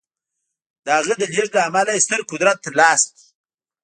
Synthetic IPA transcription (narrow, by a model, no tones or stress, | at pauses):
d̪əaɣəd̪əleʐlaamalaest̪əɾkʊd̪ɾat̪ːalɑːsk̪i̥